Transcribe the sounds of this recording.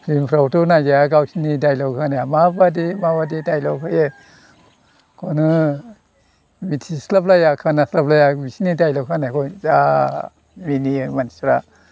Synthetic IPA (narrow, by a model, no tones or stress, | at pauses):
pʰlimpʰɾawtɔnaɡeaɡawsinidajlɔwkʰanaamabadimabadidajlɔkʰɯje | kʰɔnɯ | mitʰislaplajakʰanaslaplajabisinidajlɔkʰanakʰɔjza | minimani̥sɾa